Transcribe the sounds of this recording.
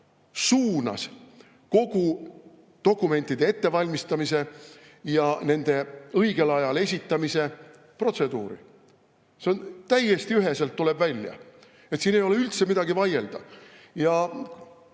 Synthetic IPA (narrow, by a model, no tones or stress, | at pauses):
suːnɑ̰s | ko̞ɡu | t̪o̞kˑːume̞nʲt̪ːˑid̪̥e̞e̞t̪ːe̞vɑlʲmist̪ɑmise̞ | jɑne̞nd̪̥e̞ɤiɡ̥e̞lɑjɑle̞s̬ʲit̪ːˑɑmise̞ | pro̞t̪se̞d̪̥uːɾḭ | seo̞nt̪æjːe̞st̪iyɦeselt̪ːule̞bvælʲːjɑ̰ | et̪siːne̞jo̞le̞ylt̪se̞mid̪ɑɡivɑje̞ld̪̥ɑjɑ